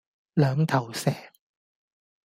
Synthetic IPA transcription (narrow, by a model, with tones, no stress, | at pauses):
lœː˨˧ŋt̪ʰɐ˨˩wsɛː˨˩